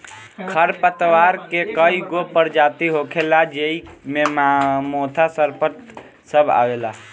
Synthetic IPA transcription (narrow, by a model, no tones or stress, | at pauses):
kʰəɾpət̪ʋaɾkekəiɡopəɾd͡ʒat̪iɦokʰelad͡ʒeimemmot̪ʰasəɾpət̪ | səbʱa̰ʋela